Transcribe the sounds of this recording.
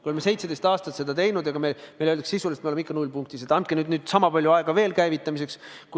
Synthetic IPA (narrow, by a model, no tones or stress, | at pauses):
koemese̞jt̪sed̪e̞st̪ɑːst̪ɑt̪se̞d̪̥ɑt̪e̞jnud̪̥ɑɡ̥ɑmemeløld̪ɑksisulest̪meoemikːˑɑnulʲpuŋk̚t̪iset̪ɑnt̪̚kenyːd̪nyːd̪̥sɑmɑpɑlʲjuɑeɡ̥ɑve̞ːlkæjvit̪ːˑɑmis̬e̞ksk